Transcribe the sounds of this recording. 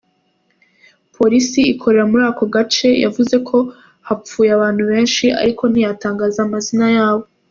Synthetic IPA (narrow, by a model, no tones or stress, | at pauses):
pʰo̞ɾisiikʰo̞ɾe̞ɾamuɾaːko̞ɡat͡ʃe̞ja̰vuze̞kʰo̞ | hap͡fuːjaβaːn̥huβe̞ːnʃiʔa̰ɾiko̞nijataːŋɡaːzamazinajaːβo̞